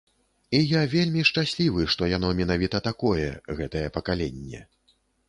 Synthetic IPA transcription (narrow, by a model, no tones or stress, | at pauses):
ijavʲelʲmʲiʂt͡ʂasʲlʲivɨʂt̪ɔjan̪ɔmʲɛn̪avʲit̪ɐt̪akɔjɛ̰ɣɛt̪ɐjɛpɐkalʲenʲːɛ̰